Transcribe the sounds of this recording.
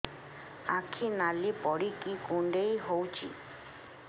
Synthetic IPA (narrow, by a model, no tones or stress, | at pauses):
akʰinalipɔɽikʼikʼuɳɖeiɦowt͡ʃʼḭ